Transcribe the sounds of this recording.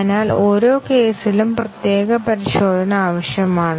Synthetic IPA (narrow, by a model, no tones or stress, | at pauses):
naːlo̞ːɾo̞ːke̞ːsilumprɐt̪je̞ːɣɐpɐɾiɕo̞ːd̪ʱɐnɐaːʋɐɕjɐmaːɳɨ